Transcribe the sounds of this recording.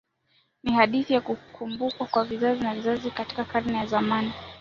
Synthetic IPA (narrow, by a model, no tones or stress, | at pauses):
nihaɗiθijakukʰumbukwakwavizazinavizazikati̥kakaɾnɛjazamani